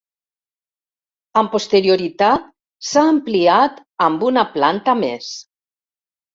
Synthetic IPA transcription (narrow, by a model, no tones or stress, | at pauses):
əmpost̪eɾioɾit̪at̪̚ | saːmpliat̪ | əmbunaplant̪ames